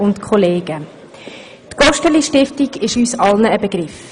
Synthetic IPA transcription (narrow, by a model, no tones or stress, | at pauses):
ʊntkʰχɔleːɡ̥ə | tɡ̥ɔʃtəliʃtɪftiɡ̥ɪʃyːsɑlnəːbəɡ̥ɾɪf